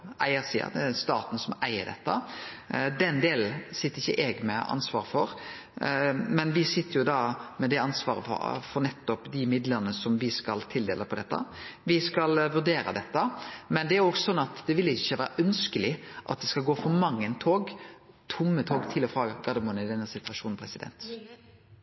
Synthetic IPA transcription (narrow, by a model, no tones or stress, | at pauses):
ʔæɪəsḭːɑ̰d̪ɛst̪ɑ̰ːt̪n̩sɔmæɪəɾd̪ɛ̰t̪ːə | d̪ɛnd̪eːl̩sɪt̪ːəɾɪçːəʔɛɡmɛɑ̰nsʋɑ̰ːɾfɔɾ | mɛnʋɪsɪt̪ːəɾjʊd̪ɑːmɛd̪ɛɑnsʋɑːɾə̰fɔɾnɛt̪ːɔpd̪ɪmɪd̪ləɾnəsɔmʋɪskɑlt̪ʰɪld̪ḛːləpʰɔd̪ɛt̪ːə̰ʋɪskɑlʋʉɾd̪eːɾə̰d̪ɛt̪ːəmɛnd̪ɛæɾjʊɔksɔsɔnːɑt̪d̪ɛʋɪlːɪɪçːəʋæːɾəʔœnskəlɪʔɑ̰t̪̚d̪ɛskɑlɡoːfɔɾmɑŋːənt̪ʰoːɡ | t̪ʰʊmːət̪ʰoːɡt̪ʰɪlɔfɾɑːɡɡɑd̪əmʊnɪd̪ɛnːəsɪt̪ʋɑʂuːn̩pʰɾɛsɪd̪ɛ̰nt̪